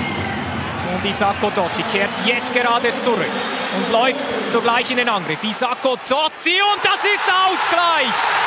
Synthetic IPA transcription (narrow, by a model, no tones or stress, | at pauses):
ʊntːizɑkodɔtikʰeːtʰjɛt͡stɡ̥eʁɑːdət͡suɾʏkʊndlɔʏftz̥oːɡlaɪçɪndenɑnɡɾɪfizakod̥ɔtiʊnt̚d̥ɑsɪstaʊsɡ̥laɪç